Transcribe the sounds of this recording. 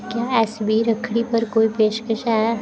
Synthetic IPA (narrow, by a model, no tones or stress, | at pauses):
kjaːɛːsbʱiɾəkʰɽ̃ipɐɾkoːipeːʃkəʃaː